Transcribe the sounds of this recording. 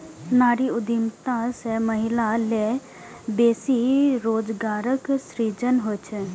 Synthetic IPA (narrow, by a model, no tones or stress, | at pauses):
naːɾiʊd̪imt̪ãseməɦɪlale | beːsiɾoːd͡ʒɡaːɾəksɾiːd͡ʒənɦot͡ʃʰə